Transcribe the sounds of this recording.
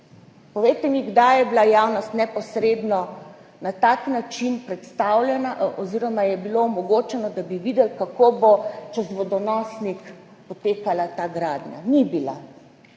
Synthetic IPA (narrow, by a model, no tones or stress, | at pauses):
pɔʋejt̪ɛmiɡd̪ajɛbilajawnɔst̪nɛpɔsɾeːd̪nɔ | nat̪aːknat͡ʃinpɾɛt̪st̪awlʲɛnaʔʔɔziːɾɔmajɛbiloːmɔɡoːt͡ʃɛnɔd̪abiʋid̪ɛlkakobot͡ʃɛzʋɔd̪ɔnɔsnik | pɔt̪eːkalat̪aɡɾaːd̪ɲʲa̰nibila̰